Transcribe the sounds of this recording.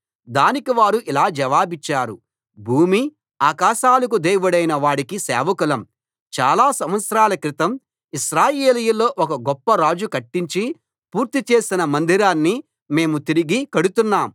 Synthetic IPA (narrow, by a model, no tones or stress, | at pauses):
d̪aːnikiʋaːɾuʔilaːd͡ʒɐʋaːbit͡ʃːaːɾu | bʱuːmi | aːkaːʃaːlɐk̬ud̪eːjʋuɽɐjnɐʋaːɽikisɛ̰ːʋɐkulɐm | t͡ʃa̰ːlaːsɐmʋɐt̪sɾaːlɐkɾit̪ɐm | iʃɾaːjeːlijulːo̞ːʔɔkɐɡɔpːɐɾaːd͡ʒukɐʈːiɲt͡ʃi | puːɾt̪it͡ʃe̞ːsinɐmɐnd̪ʱiɾaːnːi | me̞ːmut̪iɾiɡikɐɽut̪unːaːm